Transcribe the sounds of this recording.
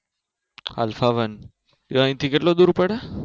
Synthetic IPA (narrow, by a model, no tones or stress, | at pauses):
a̰lfaʋən | iaĩt̪ʰikeʈlod̪uːɾpəɽe